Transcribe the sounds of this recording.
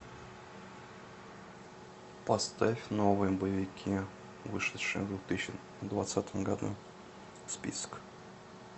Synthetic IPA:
pɐst̪afʲnovɨjəbəjɪvʲɪkʲʰi | vɨʂɨʂɨ̰jəvd̪ʲʊt̪ɨɕɪ | d̪vat̪sat̪ʰəmɡad̪ṵ | spʲḭsk

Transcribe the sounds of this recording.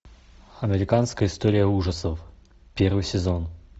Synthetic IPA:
ɐmʲɪɾʲɪkanskəjəɪst̪oɾʲɪjəuʐəsəf | pʲervɨjsʲɪzo̞n

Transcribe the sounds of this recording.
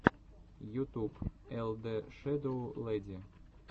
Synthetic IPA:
jut̪upeld̪eʃed̪oledʲe

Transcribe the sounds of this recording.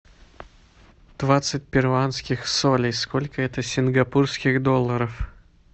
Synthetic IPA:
d̪̥vat̪sɨt̚ʲpʲɪrvanskʲɪxsolʲɪjskolʲkəɛt̪əsʲɪnɡɐpurskʲɪɣd̪olˠːəɾəf

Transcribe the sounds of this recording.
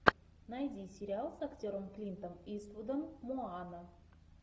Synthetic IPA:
najd̪ʲisʲeɾʲialˠsaktʲoɾəmklʲint̪omispud̪əmːuanə

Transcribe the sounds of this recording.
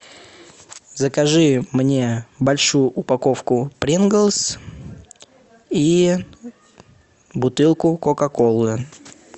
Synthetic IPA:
zəkɐʐɨmnʲe̞bɐlʲʂujʊʔʊpɐko̞fkʊpɾʲinɡəlˠs | i | bʊt̪ɨlˠkʊkokɐkolˠʊʊ

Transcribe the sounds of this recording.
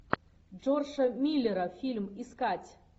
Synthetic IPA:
d͡ʐorʂɐmʲilʲːeɾɐfʲilʲmiskatʲ

